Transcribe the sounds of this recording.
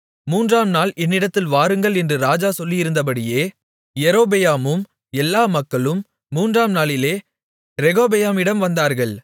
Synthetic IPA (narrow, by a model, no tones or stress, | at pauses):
muːndraːmnaːlɛnːɪɽɐt̪ːɪlʋaːɾɯŋɡɐɭɛndrɯɾaːd͡ʒaːsɔlːɪjɪɾɯnd̪ɐp̬ɐɽɪjeː | jɛɾoːbɛjaːmɯm | ɛlːaːmɐkːɐɭɯmː | uːndraːmnaːlɪleː | ɾɛɣoːbɛjaːmɪɽɐmʋɐnd̪aːɾɣɐɭ